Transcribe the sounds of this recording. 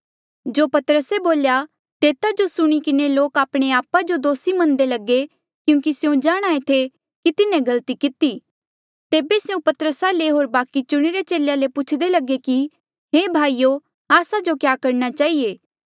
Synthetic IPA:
d͡ʒoːpɐt̪əɾəseboːlja | t̪eːt̪ad͡ʒosʊɽ̃ikɪneloːkaːpɽ̃eaːpad͡ʒod̪oːsimɐ̃nd̪elɐɡe | kjũːkisjũd͡ʒaːɽ̃aːet̪ʰe | kit̪ɪnẽɡɐlt̪ikɪt̪i | t̪eːbesjũpɐt̪əɾəsaleɦoːɾbaːkit͡ʃʊɽ̃iɾet͡ʃeːlejalepʊt͡ʃʰd̪elɐɡeki | ɦeːbʱaːijo | aːsad͡ʒokjaːkɐɾñat͡ʃaːieː

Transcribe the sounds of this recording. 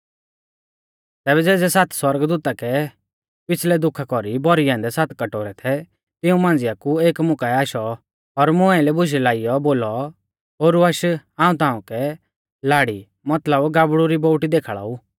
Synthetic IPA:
t̪ɛːbɛd͡zɛːd͡zɛsat̪ʰswɐɾɡd̪uːt̪akɛ | pɪt͡sʰlɛd̪ʊkʰakɔɾibɔɾiɛ̃ːnd̪ɛsat̪ʰkɐʈoːɾɛt̪ʰɛ | t̪ɪũmãːn̆d͡zɪjakueːkmʊkaɛaːʃɔ | ɔɾmʊ̃ɛ̃lɛbʊʃɛlaːɪjɔboːlɔ | ɦoːɾuaʃãːũt̪ãːũkɛ | laːɽi | mɐt̪ləbɡaːbɽuɾiboːʈid̪eːkʰɭa̰ːu

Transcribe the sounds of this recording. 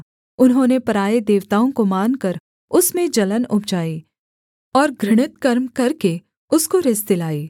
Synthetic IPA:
ʊnɦõːnepɐɾaːed̪eːʋt̪aːõkomaːnkəɾ | ʊsmẽd͡ʒɐlənʊb̚d͡ʒaːiː | ɔːɾɡɾɪɽ̃ɪt̪kɐɾmkɐɾke | ʊskoɾɪst̪ɪlaːiː

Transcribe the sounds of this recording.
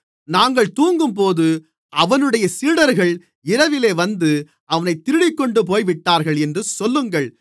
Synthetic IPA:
naːŋɡɐɭt̪uːŋɡɯmpoːðɯ | ʔɐʋɐnɯɽɐjɐsiːɽɐɾɣɐɭ | ɪɾɐʋɪleːʋɐnd̪ɯ | ɐʋɐnɐɪt̪ːɪɾɪɽɪkːɔɳɖɯp̬oːjʋɪʈːaːɾɣɐɭɛndrɯsɔlːɯŋɡɐɭ

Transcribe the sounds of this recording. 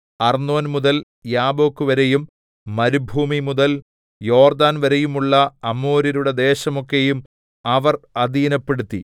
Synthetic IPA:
ɐrnːo̞ːnmuðɐl | jaːbo̞ːkːɨʋɐɾejumː | ɐɾubʱuːmimuðɐl | jo̞ːrd̪aːnʋɐɾejumuɭːɐːmoːɾiɾuɽe̞d̪e̞ːɕɐmo̞kːe̞jum | ɐʋɐrɐd̪iːnɐpːe̞ɽut̪ːḭ

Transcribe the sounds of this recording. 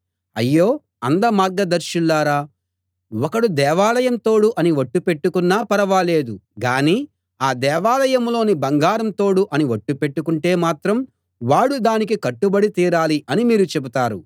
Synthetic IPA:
ɐjːo̞ː | ɐnd̪ɐmaːɾɡɐd̪ɐɾʃulːaːɾaː | wɔkɐɽud̪ɛːʋaːlɐjɐnt̪o̞ːɽuʔɐniʋɐʈːupe̞ʈːukunːaːpɐɾɐʋaːle̞ːd̪uɡaːniː | aːd̪ɛːʋaːlɐjɐmlo̞ːnibɐŋɡaːɾɐmt̪o̞ːɽuʔɐniʋɐʈːupe̞ʈːukuɳʈe̞ːmaːt̪ɾɐm | ʋaːɽud̪aːnikikɐʈːubɐɽit̪iːɾaːliʔɐnimiːɾut͡ʃebut̪aːɾu

